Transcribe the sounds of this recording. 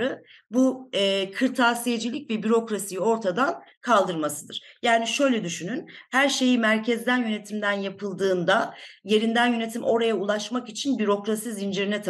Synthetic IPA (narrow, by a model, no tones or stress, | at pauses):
ɯ | buɛːkʰɯɾt̪ʰaːsijed͡ʒilʲicvɛbyɾo̞kɾasijio̞ɾt̪ʰad̪ankʰalˠd̪ɯɾmasɯd̪ɯɾ̥jaːniʃø̞jlʲɛd̪yʃynynhæɾʃe̞jimæɾcʰɛzd̪ænjøne̞t̪ʰimd̪ænjapʰɯlˠd̪ɯːnd̪aje̞ɾind̪ænjø̞ne̞t̪ʰimʔo̞ɾajaulˠaʃmakit͡ʃʰinbyɾo̞kɾasizind͡ʒiɾinɛt̪ʰ